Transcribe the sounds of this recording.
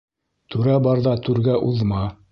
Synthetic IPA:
t̪ʉɾæbɑɾðɑt̪ʉɾɡæʔuðmɑ

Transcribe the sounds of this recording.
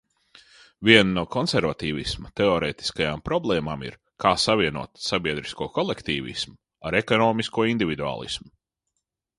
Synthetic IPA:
viɛnːuɔkʰɔnsɛɾvat̪iːvismɐt̪ɛɔɾeːt̪i̥skajaːmpɾɔblˠɛːmaːmḭɾ | kʰaːsaviɛnṵɔt̪sabʲiɛd̪ɾiskuɔkɔlˠɛkt̪iːvḭsmu | aɾekɔnɔːmiskuɔind̪ivʲid̪ua̰ːlˠḭsmu

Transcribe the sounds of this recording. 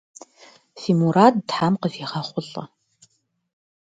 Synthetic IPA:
fiːmuɾaːdtħamqəviːʁɐχʷʊɬʼɐ̰

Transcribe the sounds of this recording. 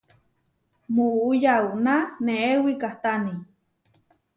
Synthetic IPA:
muʔujauʔnaneewikaht̪ani

